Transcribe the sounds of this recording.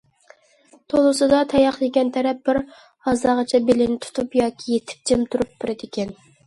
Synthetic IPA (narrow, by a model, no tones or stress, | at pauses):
t̪ʰolˠʊsɨd̪ɑt̪ʰɛjɑχlɪkʲɛnt̪ʰæɾɛp̚bɪɾ | hɑzd̪ɑʁɑt͡ʃʰɛbelɪnɪt̪ʰu̥t̪ʰupjɑːkʲʰijet̪ʰɪ̥p̚d͡ʒ̪ɪmt̪ʰuɾup̚b̥ɪɾɪd̪ɪkʲɛn